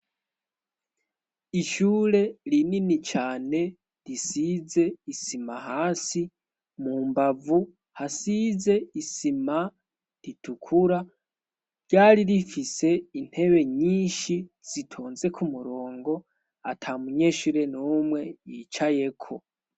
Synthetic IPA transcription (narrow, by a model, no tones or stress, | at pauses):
iʃuːɾe̞ɾininit͡ʃaːne̞ | ɾisize̞isimaɦaːsi | muːmbavu | hasize̞isima | ɾitʰukʰuɾa | ɾɟaːɾiɾifise̞in̥he̞βe̞ɲiːnʃiz̥itʰoːnze̞kʰumuɾoːŋɡo̞ | atʰamuɲe̞ʃuɾe̞nomwe̞jiːt͡ʃaje̞kʰo̞